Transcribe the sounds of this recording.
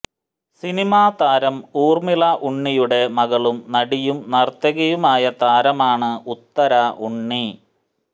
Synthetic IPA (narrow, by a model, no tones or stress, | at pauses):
sinimaːt̪aːɾɐmuːrmilaʔuɳːijuɽe̞mɐɣɐɭumnɐɽijumnɐrt̪ɐɣɐjumaːjɐt̪aːɾɐmaːɳɨut̪ːɐɾaːʔuɳːi